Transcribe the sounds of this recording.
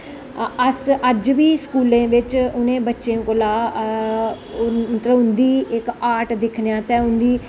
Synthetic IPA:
əsəd͡ʒʋiːskuːlẽːʋɪt͡ʃʊnẽːbətːʃẽːkolaː | ət̪ɾəʋʊnd̪iːɪkaːʈd̪ɪkʰnjãːt̪ɛ̃ːʊnd̪iː

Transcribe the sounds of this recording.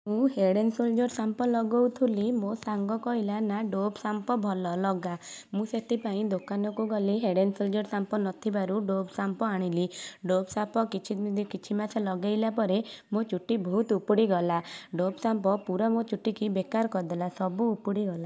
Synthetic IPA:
ũɦeɽensold͡ʒɔɾsampɔlɔɡɔwt̪ʰulimosaŋɡɔkɔɦilanaɖobsampɔbʱɔlɔlɔɡamũset̪ʰipaĩd̪okanɔkuɡɔliɦeɽensold͡ʒɔɾsampɔnɔt̪ʰibaɾuɖobsampɔaɽ̃iliɖobsapɔkit͡ʃʰid̪kit͡ʃʰimasʰɔlɔɡajlapɔɾemot͡ʃuʈibʱɔɦut̪upuɽiɡɔlaɖobsampɔpuɾamot͡ʃuʈikibekaɾɔkɔɾd̪elasɔbuːpuɽiɡɔla

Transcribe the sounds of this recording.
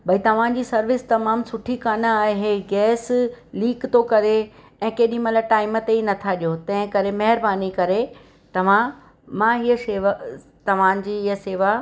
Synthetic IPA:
ɓɐit̪ɐʋ̤ãd͡ʑiːsɐɾʋɪst̪ɐmaːmsʊʈʰikaːnəaːɦeɡɛːsliːkt̪okɐɾe | ɛ̃ːkeːɗĩmɐlaʈaːɪmət̪einɐt̪ʰaɗijot̪ɐ̃ɦɪ̃kɐɾemɐɦɪɾbaːnikɐɾe | t̪ɐʋ̤ã | mãiɦəseːʋa | t̪ɐʋ̤ãːd͡ʑiːɪəseːʋa

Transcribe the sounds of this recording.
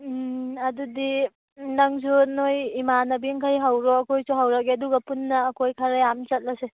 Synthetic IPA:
ɐdudi | naŋsunojimanɐbiŋkʰajɦawɾɔːkʰojsuɦawɾak̚eɐduɡɐpunːɐːkʰojkʰaɾajamt͡ʃɐt̚lase

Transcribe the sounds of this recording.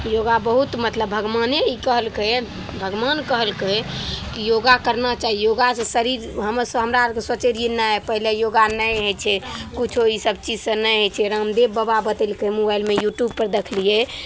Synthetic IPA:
joɡabəɦut̪mət̪ləbʱəɡmaneikəɦəlke | bʱəɡmankəɦəlkekijoɡakəɾnat͡ʃaɦijoɡasə̃səɾiɾɦəməɾsɦəmɾaɾkeswət͡ʃeɾenaɛpəɦilejoɡanəjɦet͡ʃʰɛkut͡ʃʰoisəbt͡ʃid͡ʒsə̃nəɦet͡ʃʰɛɾəmd̪ebːəbabət̪elkemobailmejuʈjub̚pəɾd̪ekʰlije

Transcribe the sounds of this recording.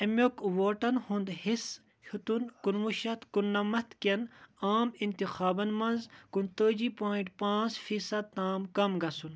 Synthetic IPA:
ɐmʲokʋoːʈɐnhund̪his | hʰut̪unkunmuʃɐt̪kunːɐmɐt̪kʲɐnaːmint̪ixaːbɐnmɐnzkunt̪əːd͡ʑipoːiɳʈpãːt͡sfiːsɐd̪̚t̪aːmkɐmɡɐsun

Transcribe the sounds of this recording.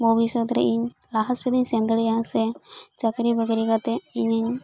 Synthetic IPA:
mɔbisɔd̪ɾɛ̰ʔiɲ | laɦasɛd̪iɲsɛnd̪əɽijaŋsɛt͡ʃəkɾibəɡɾikat̪ɛiɲəɲ

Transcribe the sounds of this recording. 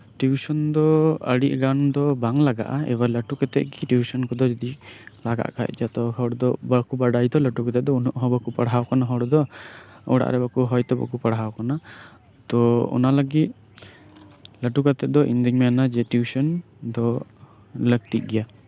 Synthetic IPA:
ʈibisɔnd̪ɔə̰ɽiʔ̚ɡand̪ɔbaŋlaɡa̰ʔaɛ̰baləʈukɛt̪ɛʔɡiʈubisɔnkɔd̪ɔd͡ʒɔd̪ilaɡa̰ʔkʰa̰j̚d͡ʒat̪ɔɦɔwɽɔd̪ɔbakubaɖajt̪ɔləʈukɛt̪ɛd̪ɔunɔʔɦɔbakupaɽɦawkanaɦɔɽd̪ɔɔɽa̰ʔɾɛbakuɦɔjt̪ɔba̰kupaɽɦawkɔna | t̪ɔɔ̰naləɡit̪̚ | ləʈukat̪ɛd̪ɔʔḭnd̪iŋmɛanad͡ʒɛʈjusɔn | d̪ɔ | lək̚t̪iʔ̚ˀɡɛja

